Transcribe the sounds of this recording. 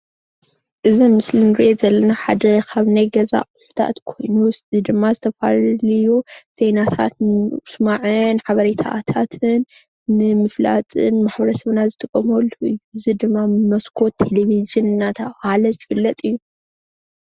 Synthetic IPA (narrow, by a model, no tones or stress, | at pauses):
ʔɨzimɨslinɨɾiʔozɐlːɐnaħad̪ɐkʰaβnajɡɐza̰kʼuħu̥t̪ʰa̰t̪kʰo̞jnusid̪ɨmːazɨt̪ʰɐfa̰llɨjːuz̥e̞nat̪ʰa̰t̪nsmaʕɨnħaβɐɾit̪ʰa̰t̪ʰat̪ʰɨnː | ɨmɨfla̰t͡sʼɨ̰nmaħbɐɾɐsɐβnazɨt̪ʰɨkʼːɐmolːuɨjːuɨzid̪ɨmːamɐskʰo̞t̪ʰːeleβizɨnɨnːat̪ʰɐβhalɐzɨfɨlːɐt̪ʼɨjːu